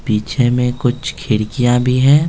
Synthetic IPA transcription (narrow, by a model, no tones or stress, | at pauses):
piːt͡ʃʰemẽkʊt͡ʃʰkʰɪɽkijãbʱiɦɛ̃ː